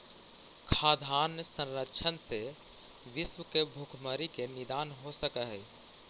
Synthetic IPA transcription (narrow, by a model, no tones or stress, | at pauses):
kʰaːd̪ʱaːnsə̃nɾətːʃʰənse | ʋɪswəkebʱukʰməɾikenɪd̪aːnɦosəkəɦɛː